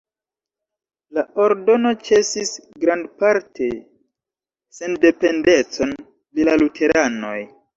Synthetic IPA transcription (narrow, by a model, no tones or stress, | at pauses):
lao̞ɾdo̞no̞t͡ʃe̞sisɡɾandpaɾtʰe̞ | se̞nde̞pe̞nde̞t͡so̞n | plilalutʰe̞ɾano̞̰j